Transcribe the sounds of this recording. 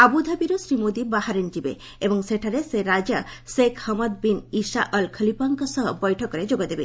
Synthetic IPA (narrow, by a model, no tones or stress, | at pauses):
abud̪ʱabiɾosɾimod̪ibaɦaɾend͡ʒibḛ | ebɔŋseʈʰaɾeseɾad͡ʒasekhɔmad̪̚binisaʔəlkʰəlipaŋkɔsɔɦɔbɔjʈʰɔkɔɾed͡ʒoɡad̪ebe